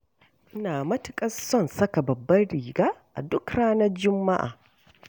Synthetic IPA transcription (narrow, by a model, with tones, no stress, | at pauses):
ʔɪ˦naː˨mɐ˦tʊ̥˨kʼɐ˦ssɔ˦nsɐ˦ka˨bɐ˨bːɐ˦ɽiː˨ɡaː˦ʔa̰˨dʊ˦kɽaː˦nɐ˦rd͡ʒʊ˦mːa̰˦ʔa̰ː˨